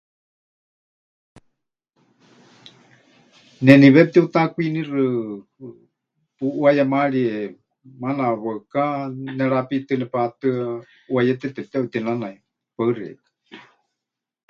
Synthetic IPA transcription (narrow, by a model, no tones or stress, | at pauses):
nɛniβɛp̚t̪ɛut̪akuinirɨ | puʔwajamaɺiɛ | manaβəkanɛɺapit̪ɨnɛpat̪ɨ | wajɛt̪ɛt̪ɛp̚t̪ɛʔut̪inanai | paɨrɛ̰t̪ɨ̥